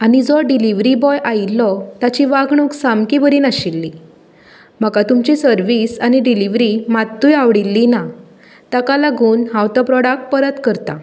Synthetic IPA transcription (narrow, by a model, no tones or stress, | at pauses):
añid͡zɔɖiliʋɾibɔjʔajilːɔt̪at͡ɕiʋaɡɳ̃uːksamkibəɾiːnaɕilːi | m̤əkat̪umt͡ɕisəɾʋisañiɖiliʋɾimat̪ːuːjaʋɽilːina | t̪akalaɡʱuːnɦãwt̪ɔpɾɔɽak̚ʈ̚pəɾət̪kəɾt̪a